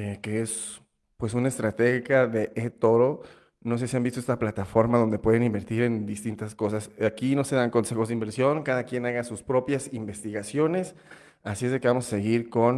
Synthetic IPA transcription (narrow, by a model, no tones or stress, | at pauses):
eke̞es | pwe̞sunaest̪ɾat̪e̞xikaðe̞ʔet̪o̞ɾo̞ | no̞sesiambist̪oest̪aplat̪afo̞ɾmaðo̞nd̪e̞pwe̞ðe̞nimbe̞ɾt̪iɾe̞nd̪ist̪int̪asko̞sasakino̞se̞ðaŋko̞nse̞xo̞zðimbe̞ɾsjo̞ŋkaðakje̞naɣasuspɾo̞pjasimbe̞st̪iɣasjo̞ne̞s | asie̞zðe̞keβamo̞sase̞ɣiɾko̞n